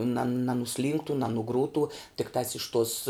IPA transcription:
nɐn nɐnʊˈsʲlʲiːŋktʊ nɐnʊˈɡruːtʊ tʲɪkˈtɑːs ɪʃ toːs

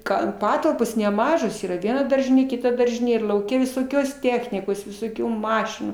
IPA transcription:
ˈɡɐn ˈpɑːtɐlˠpoːs nʲɛˈmɑːʒoːs ˈiːrɐ ˈʋʲiɛnɐ ˈdɐrʲʒʲɪnʲeː ˈkʲɪtɐ ˈdɐrʲʒʲɪnʲeː ɪr lˠɐʊˈkʲɛ ʋʲɪsoːˈkʲoːs ˈtʲæːxʲnʲɪkoːs ʋʲɪsoːˈkʲuː ˈmɑːʃʲɪnuː

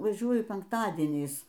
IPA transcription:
ʋɐˈʒʲuɔjʊ pʲɛŋkˈtɑːdʲiɛnʲɛɪs

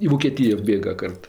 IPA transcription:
ɪ ʋoːˈkʲeːtʲɪjɛ ˈbʲeːɡɐ ˈkɐrt

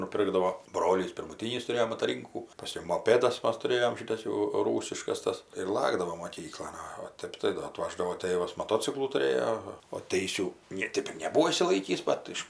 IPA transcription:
nʊˈpʲɪrɡdɐʋoː ˈbroːlʲiːs pʲɪrmʊˈtʲiːnʲiːs tʊˈrʲeːjoː mɐtɐˈrʲiːŋkuː pɐˈsʲkʲɛʊ moːˈpʲeːdɐs ˈmɐs tʊˈrʲeːjoːm ˈʃʲɪtɐs jɛʊ ˈruːsʲɪʃkɐs ˈtɐs ɪr ˈlˠɑːɡdɐʋoːm moːˈkʲiːklˠoːn ˈoː oː ˈtʲɛp tɐɪ ˈdoː ɐˈtʋɑːʒdɐʋoː tʲeːʋɐs mɐˈtoːt͡sʲɪklˠuː tʊˈrʲeːjoː oː ˈtʲɛɪsʲuː ˈnʲeː ˈtʲeːp ɪr nʲɛˈbuːoː ɪʃʲsʲɪˈlˠɐɪkʲiːs ˈbɐt ɪʃ

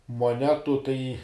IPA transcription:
moːˈnʲæːtʊ tɐɪ

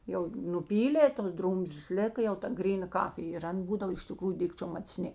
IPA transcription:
jɛʊ nʊˈpʲiːlʲeː toːs ˈdruːmʲzʲlʲeːs ˈlʲeːkɐ jɛʊ tɐ ˈɡrʲiːˌnɐ ˈkɑːfʲɪj ɪr ˈɐn ˈbuːdɐw ɪʃ tʲɪˈkruːjʊ ˈdʲɪkt͡ʃʲoːm mɐt͡sʲˈnʲɪ

